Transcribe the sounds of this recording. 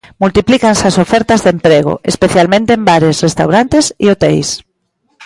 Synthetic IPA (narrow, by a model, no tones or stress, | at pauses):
mult̪iplikansasofɛɾt̪azðempɾeɣ̞o̰ʔespeθjalmẽnt̪eembaɾesrest̪awɾant̪esḭot̪ḛjs